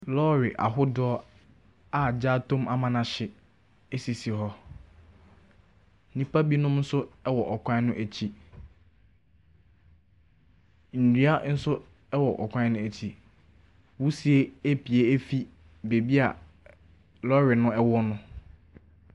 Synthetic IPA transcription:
lɔ˦ɾɪ˨ʔa̰˨ɦʊ˦dɔ˦ɔ˦ | a˨d͡ʑa˦tʰõ˦ma˦mã˨nã˨ɕɪ˨ | e˦si˨si˨ɦɔ˦ | nĩ˦pʰa˦bi˦nʊ̃˦mn̩˦sʊ˦ɛ˦wɔ˨ʔɔ˨kʰʷã˦nʊ̃˦ʔæ˨t͡ɕʰi˦ | n̩˨dɥa˦n̩˦sʊ˦ | ɛ˦wɔ˨ʔɔ˨kʷʰã˦nʊ̃˦æ˨t͡ɕʰi˨ | wu˦si˨˦e˦e˦pʰi˨e˦e˦fi˦ | be˨bi˦a˨ | lɔ˦ɾɪ˨nʊ̃˦ɛ˦wɔ˦nʊ̃˦

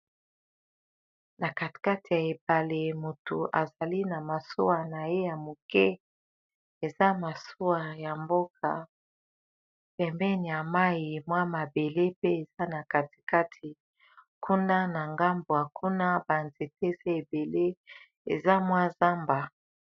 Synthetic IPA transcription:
na˨ka˨ti̥˨ka˦ti˨ja˨e˨pa˨le˨mo˨to˨ʔa̰˨za˨li˦na˨ma˨so˦wa˨na˨je˦ja˨mo˨kɛ˦ | e˨za˦ma˨so˦wa˨ja˨mbo˦kʰa̰˨ | pɛ˨mbɛ˦ni˨ja˨ma˦ji˨mwa˦ma˨be˨le˦pe˦e˨za˦na˨ka˨ti̥˨ka˦tʰi˨ | kʰu˦nda˦na˨ŋɡa˦mbo˨ja˨kʰu˦na˦ba˨nze˨te˦ze˦e˨be˨le˦ | ḛ˨za˦mwa˦za˦mba˨

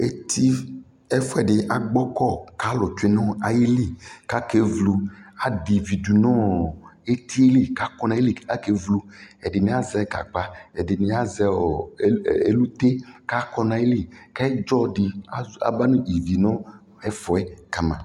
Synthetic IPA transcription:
e˦t̪ʰi˦ | ɛ˦fɔ˦ɛ˨ɖɪ˨ʔa˨ɡ͡bɔ˦kɔ˦˨ka˨˦lɔ˨t͡ʃe˦nɔ̃˦a˨je˦li˦ka˦ke˦vlu˦a˨di˨vi˨du˨nɔ̃˦e˦t̪ʰi˦e˦li˦˨ka˦kɔ˦nã˨˦e˦i˦˨a˦ke˦vlu˦ɛ˨dɪ˨nĩ˨˦a˦zɛ˨˦ka̰˨k͡pa˦ɛ˨dɪ˨nĩ˨˦a˦zɛ˦ɔ˨˦˨ | e˦lu˦t̪e˦ka˦kɔ˦nã˨je˦li˦˨ka˦e˦d͡ʒɔ˦ɖi˨a˦a̰˦˨ba˦nũ˦i˨vi˨nɔ̃˦ | ɛ˦fɔ˨ɛ˦ka˨mã̰˨

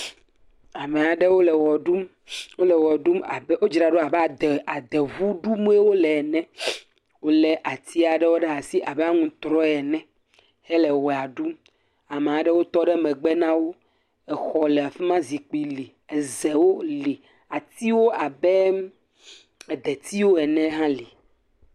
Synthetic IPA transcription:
a˨me˨a˨ɖɛ˦wo˦lɛ˨wɔ˨ɖu˦m | wo˦lɛ˨wɔ˨ɖu˦ma̰˨bɛ˦wo˦d͡ʒi˨ɾa˨ɖo˦a˨bɛ˦a˨d̪ɛ˨a˨d̪ɛ˨vu˦ɖu˦mũ˦e˦wo˦lɛ˨nɛ̃˦ | wo˦lɛ˨ʔa˨t̪i˦a˨ɖɛ˦wo˦ɖɛ˦a˨si˦ʔa˨bɛ˦a˦ŋũ˦t̪ɾɔ˦ɛ˨nɛ̃˦ | hɛ˦lɛ˨wɔ˨a˨ɖu˦m | a˨mẽ˨a˨ɖɛ˦wo˦t̪ɔ˦ɖɛ˦mɛ̃˨ɡ͡bɛ˦nã˦wo˦ | ɛ˨xɔ˨lɛ˨a˨fɛ˦mã˦zi˨k͡pi˨li˨ | ɛ˨ze˨wo˦li˨ | a˨t̪i˦wo˦ʔa˨bɛ˦ | ɛ˨d̪ɛ˨t̪i˦wo˦ɛ˨nɛ̃˦ɦã˦li˨

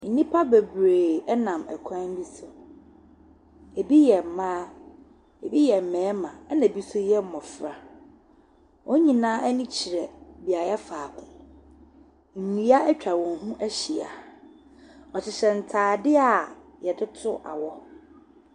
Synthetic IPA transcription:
n̩˦nĩ˦pʰa˦be˨bɾeː˨ɛ˦nã˨mɛ̰˨kʷʰã˦m̩˦bi˦sʊ˨ | e˨bi˦jɛ˨m̩˨mãː˦ | e˨bi˦jɛ˨m̩˨mɛ̃ː˨˦mã˨˦nã˨bi˦sʊ˦jɛ˦m̩˦mɔ̃˨fɾa˨ | wʔɔ˦ɲĩ˨nãː˦æ˦nĩ˦t͡ɕʰi˨ɾɛ˨bi˨a˨jɛ˦faː˨kʰʊ̃˨ | ŋ̩˨nĩ˨˦a˦ɛ˦t͡ɕᶣa˨wɔ̃˨n˨ɦũ˦ʔæ˦ɕi˨a̰˨ | ɔ˨t͡ɕʰɪ˨ɕɛ˨n̩˨tʰaː˨dɪ˦a˨ | jɛ˨dɪ˦tʰʊ˦ʔa̰˨wɔ˦

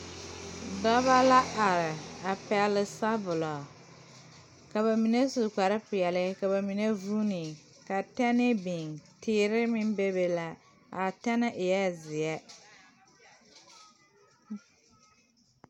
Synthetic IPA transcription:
dɔ˦βa˦la˦a˨ɾɪ˨a˨pɛ˨lɪ˨sa˦bʊ˨lɔ˨ | ka˨βa˨mi˨ne˦su˨ka˨ɾɪ˦pʊ˨jɛ˨lɪ˦ka˨βa˨mi˨ne˦vu˦ni˨ | ka˨tɛ˦nɪ˦bi˨ŋtʰɪː˦ɾɪ˦mɪ˦m˦be˦be˦la˨ | a˨tɛ˦nɪ˦ʔɪ˨jɛ˦zɪ˨ɛ˦

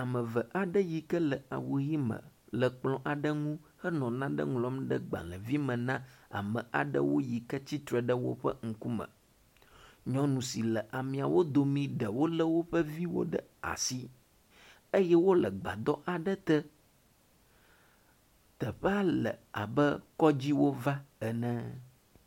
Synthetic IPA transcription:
a˨mə̃˨və˨ʔa˨ɖə˦ji˨kə˦lə˨a˨wo˨ji˦mə̰̃˨lə˨k͡plɔ̃˨ʔa˨ɖə˦ŋũ˦ | hə˦nɔ̃˨nã˦ɖə̰˦ŋlɔ˦mɖə˦ɡ͡ba̰˨lə˨vi˦mə̃˨nã˦a̰˨mə̰̃˨a̰˨ɖə̰˦wo˦ji˨kə˦t͡ɕi˦t̪ɾə˨ɖə˦wo̰˦ɸə̰˦ŋ̩˦ku˦mə̰̃˨ | ɲɔ̃˦nũ˨si˨lə˨ʔa˨mĩ˨a˨wo˦d̪o˨mĩ˦ɖə˨wo˦lə˦wo˦ɸə˦vi˦wo̰˦ɖə̰˦a̰˨si˦ | ə˦jɛ˦wo˦lə˨ɡ͡ba̰˨d̪ɔ˦ʔa˨ɖə˦t̪ə˦ | t̪ə˨ɸɛ˦a˦lə̰˨a̰˨bə˦kɔ˦d͡ʑi˦wo˦va˦ɛ˨nɛ̃˦

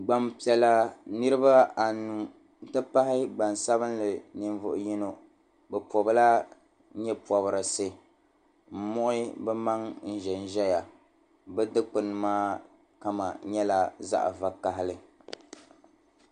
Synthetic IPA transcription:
ɡ͡ba˨mpi˨ɛ˨la˨nɨ˦ɾɨ˦ba˦a˨nu˨ | n̩˦tɨ˦pa˦hɪ˦ɡ͡ba˨n˨sa˦βɨ˦n˦lɨ˨nɨ˨ɱvʊ˨ʔʊ˨ji˦no˨ | bɛ˨pɔ˨bɨ˦la˦ | ɲɛ˦pɔ˨βɨ˨ɾɨ˨sɨ˦ | m̩˦mɔ˦ʔɪ˦bɛ˦ma˦ŋn̩˦ʒɛ˨n˦ʒɛ˦ja˨ | bɛ˦dɨ˦k͡pɨ˨nɨ˨maː˦ | ka˨ma̰˨ɲɛ˦la˨za̰˦ʔva˨ka˨ɦɪ˦lɨ˦

